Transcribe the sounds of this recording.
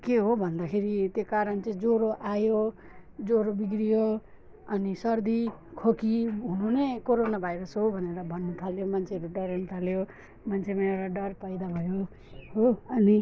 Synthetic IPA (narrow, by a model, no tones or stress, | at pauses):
keɦobʱʌnd̪akʰeɾit̪jokaɾʌnt͡sʌ̃d͡zoɾoʔajo | d͡zoɾobiɡɾijo | ʌnisʌrd̪ikʰokiɦununekoɾonabʱajɾʌsɦobʱʌneɾʌbʱʌnːut̪ʰaljomant͡sʰeʌɾuɖʌɾanut̪ʰaljo | mant͡sʰemeeɾaɖʌrpʌjd̪abʱʌjo | ɦoʌni